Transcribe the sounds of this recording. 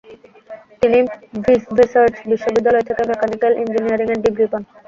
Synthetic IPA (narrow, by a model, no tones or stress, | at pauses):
t̪inibisbisaɾd͡ʑbiʃːobid̪ːalɔet̪ʰekemekanikelʔind͡ʑiniaɾiŋeɾɖiɡɾipan